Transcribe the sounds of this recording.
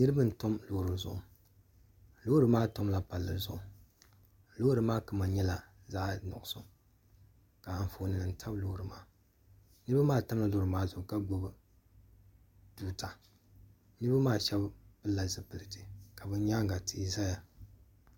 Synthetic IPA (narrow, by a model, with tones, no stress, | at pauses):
nɨ˦ɾɨ˦bɨ˦n̩˨to˦mlo˦˨ɾɨ˨zʊ̰˨ʔʊ˨ | lo˦ɾɨ˨maː˦to˦mla˨pa˨lːɨ˨˦zʊ̰˦˨ʔʊ˨ | loː˦hɾɨ˨˦maː˦kɨ˨ma˨ɲɛ˦la˨ | za˦nʊ̰˨ʔʊ˨sʊ˦ | ka˨a˨ɱ˨fo˨nɨ˨nɨ˨n̩˦tʰa˦blo˦hɾɨ˨ma̰ː˦ | nɨ˦ɾɨ˦ba˦maː˦˨ta˦mla˨loː˦ɾɨ˨maː˦zʊ˨ʔka˦ɡo˦bɨ˦ | duː˦tʰa˨ | nɨ˦ɾba˦maː˦˨ʃɛ˦bbɨ˦la˨zɨ˨pɨ˨lɨ˨tɨ˨ka˨bɨ˦ɲaː˦ŋɡa˨tɪ˨˦za˦ja˨